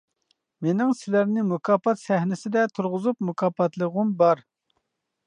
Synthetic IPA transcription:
menɪŋsɪlæɾnɪmukʰɑːpɑt̪sɛhnɪsɪd̪ɛt̪ʰuɾʁʊzupmukʰɑːpʰɑt̪lˠəʁʊmbɑɾ

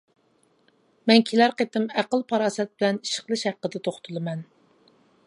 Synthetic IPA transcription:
mɛnkʲʰelæɾqet̪ɪmæqəlˠpʰɑɾɑːsɛt̪̚bɪlɛniʃə̥χlˠɨʃhæqːəd̪ɛt̪ʰoχt̪ʰulˠɨmɛn

